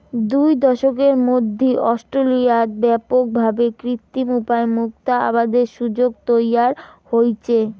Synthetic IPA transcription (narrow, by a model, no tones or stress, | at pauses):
d̪ujd̪ɔʃokeɾmod̪ʱːiʔɔsʈɾolijat̪̚bɛpok̚bʱabekɾit̪ːimupaemuk̚t̪aa̰bad̪eɾʃud͡ʑoɡ̚t̪ojaɾhojt͡ɕʰe